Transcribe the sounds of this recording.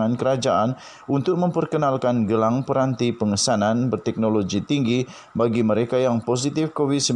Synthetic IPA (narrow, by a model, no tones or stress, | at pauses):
ŋankəɾad͡ʒaʔan | unt̪ʊk̚məmpərkənalkanɡəlaŋpəɾant̪ipəŋəsananbərt̪ɛk̚noloɡit̪iŋɡi | baɡiməɾekajaŋpos̬it̪ɪfkowid̪səm